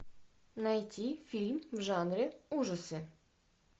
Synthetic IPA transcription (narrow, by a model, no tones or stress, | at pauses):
nɐjtʲʰifʲilʲmwʒɑnɾʲɪuʒɐsɪ